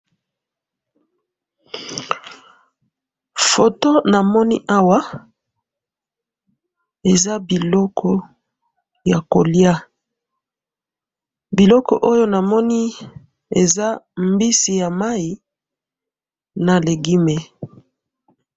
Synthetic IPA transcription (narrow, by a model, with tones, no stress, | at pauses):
fo˨to˦na˨mɔ˦ni˦ʔa˦wa˦ | e˨za˦bi˨lɔ˦kʰɔ˦ | ja˨ko˨lja˦ | bi˨lɔ˦kɔ̰˨ʔo˦jo˦na˨mɔ˦ni˦ | e˨za˦mbi˦si˨ja˨ma˦i˨ | na˨le˨ɡi˦me˨